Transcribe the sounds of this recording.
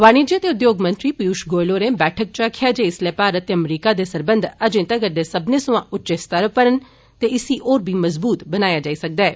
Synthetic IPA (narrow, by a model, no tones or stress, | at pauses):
ʋaːñid͡ʒiət̪eʊd̪joːɡmə̃nt̪ɾipijuːʃɡoːloɾẽbɛːʈʰək̚t͡ʃakʰjad͡ʒeɪsleːpaːɾət̪eɐmɾiːkad̪esɐɾbə̃nd̪ʱəd͡ʒẽːt̪aɡəɾd̪esɐbnesʊ̃ãʔʊtːt͡ʃest̪əɾəpəɾən | t̪eɪsiʔoːɾbʱiːmɐzbuːt̪bənaːjad͡ʒaːisɐk̚d̪aɛː